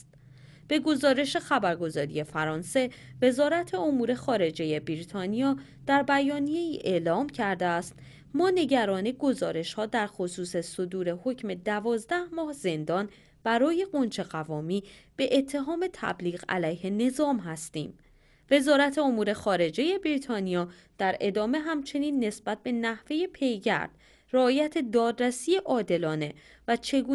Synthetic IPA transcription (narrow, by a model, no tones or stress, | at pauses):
t̪ | b̥e̞ɡo̞zɒːɾe̞ʃe̞xæbæɾɡo̞zɒːɾḭje̞fæɾɒːnse̞ve̞zɒːɾæt̪ʰe̞o̞muːɾe̞xɒːɾe̞d͡ʒe̞je̞biɾit̪ʰɒːnijɒː | d̪̥æɾbæjɒːnije̞iːʔeːʔlɒːmcʰæɾd̪eæst̪ | mɒːne̞ɟæɾɒːniɡo̞zɒːɾe̞ʃhɒːd̪æɾxosuːse̞so̞d̪uːɾe̞ho̞cʰme̞d̪ævɒːzd̪æhmɒːhze̞nd̪ɒːn | b̥æɾɒːje̞ɡo̞nt͡ʃʰe̞ɣævɒːmiːb̥e̞ʔet̪ʰːe̞ɦɒːme̞t̪ʰæ̰bliːɣæ̰læjhe̞ne̞zɒːmɦæst̪ḭːm | ve̞zɒːɾæt̪ʰe̞o̞muːɾe̞xɒːɾe̞d͡ʒe̞je̞bɾiːt̪ʰɒːnijɒː | d̪̥æɾe̞d̪ɒːme̞ɦæmt͡ʃʰe̞niːnːe̞sb̥æt̪̚be̞næhve̞je̞pʰe̞jɟæ̰ɾd̪̥ | ræɒːjæt̪ʰe̞d̪ɒːd̪ɾæsiːe̞ʔɒːd̪e̞lɒːne̞ | væt͡ʃʰe̞ɡuː